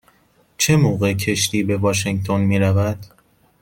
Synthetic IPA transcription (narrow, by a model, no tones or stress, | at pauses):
t͡ʃʰe̞moːɣecʰe̞ʃt̪iːbe̞vɒːʃ̬eŋt̪ʰonmiːɾævæd̪̥